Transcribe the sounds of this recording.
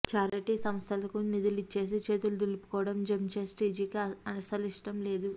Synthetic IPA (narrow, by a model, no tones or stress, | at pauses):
t͡ʃaːɾɐʈiːsɐmst̪ʰɐlɐkunid̪ulit͡ʃːe̞ːs̬it͡ʃe̞ːt̪ulud̪ilupu̥kɔːʋɐɽɐmd͡ʒemt͡ʃeːsʈiːd͡ʒiːkiɐnɐsɐliʂʈɐmle̞ːd̪u